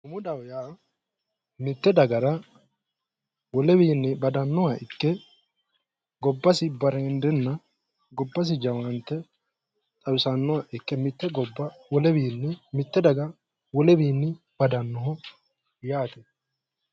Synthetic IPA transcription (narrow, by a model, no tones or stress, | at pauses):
ʊmʊd̪ɐwjaː | mɪt̪ːɛd̪ɐɡɐɾɐ | wɔlɛbiːnːɛbɐd̪ɐnːɔwaʔɪkːɛ | ɡɔbːɐsɪbɐɾɛnd̪ɛnːɐ | ɡɔbːɐs̬ɪd͡ʒɐwɐnt̪ːɛ | t̪ʼɐwɪsɐnːɔwaʔɪkːɛmɪt̪ːɛɡɔbːɐwɔlɛbiːnːmɪt̪ːɛd̪ɐɡɐ | wɔlɛbiːnːɪ | b̥ɐd̪ɐnːɔɦɔ | jaːt̪ɛ